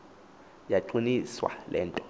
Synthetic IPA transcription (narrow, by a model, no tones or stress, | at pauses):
jaǃiniswa̰lɛːntʼɔ̥